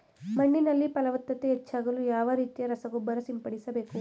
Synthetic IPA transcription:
mɐɳːinɐlːipɐlɐʋɐt̪ːɐt̪eːt͡ʃːaːɡɐlujaːʋɐɾiːt̪ijɐɾɐsɐɡɔbːɐɾɐsimpɐɽisɐbe̞ːku

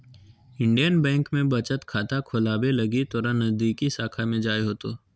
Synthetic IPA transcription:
ɪ̃ɳɖijənbɛ̃ːŋkmẽbɐt͡ʃət̪kʰaːt̪akʰʊlaːbelɐɡit̪ɔːɾãnːɐzd̪iːkisaːkʰamẽd͡ʒaːjɦoːt̪oː

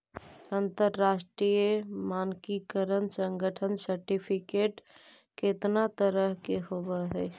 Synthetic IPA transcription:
ənt̪əɾːasʈɾijəmankikəɾənsəŋɡəʈʰənsəɾʈipʰikeʈ | ket̪nat̪əɾəɦkeɦobəɦɛ

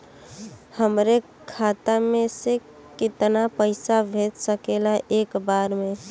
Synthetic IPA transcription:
həmɾe | kʰat̪amẽse | kɪt̪napəɪsabʱet̪səkelaʔeːkbaɾmẽ

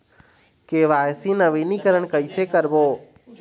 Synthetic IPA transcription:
keːʋaːɪsiːnəʋiːniːkəɾəɳkəiːseːkəɾboː

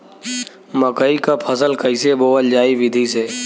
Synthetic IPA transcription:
məkəikaːpʰəsəlkəiseːboːʋəld͡ʒaːiːʋɪd̪ʱiːseː

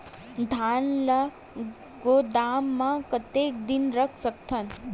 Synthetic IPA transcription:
d̪ʱaɳlə | ɡod̪amːãkət̪ek̚d̪inɾəkʰsək̚t̪ʰən

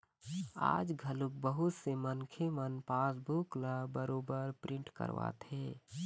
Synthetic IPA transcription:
a̰ːd͡ʒɡʱəluk̚bəɦut̪semənkʰemənpaːsbuklabəɾobəɾpɾɪɳʈkə̰ɾʋa̰t̪ʰe

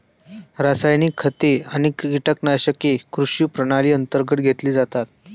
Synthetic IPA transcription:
ɾasajniːkʰːət̪eaɽ̃ikkiʈəknaɕəkekɾuɕjupɾəɽ̃aliːənt̪əɾɡət̪̚ɡʱet̪liːd͡zat̪at̪̚

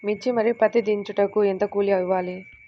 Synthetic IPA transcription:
mit͡ʃːimɐɾipɐt̪id̪iɲt͡ʃuʈɐkuent̪ɐkuːliɐʋaːli

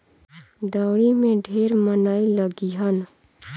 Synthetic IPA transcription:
d̪aʊɾimẽɖʱeːɾmənaːiləɡiɦən

